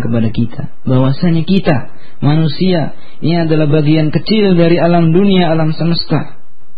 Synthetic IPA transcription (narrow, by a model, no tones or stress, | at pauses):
kəpadakit̪ʰa̰ | bawasaɲakit̪a | manusia | iniadalahbaɡiankət͡ʃildaɾialamduniaːlamsəməst̪a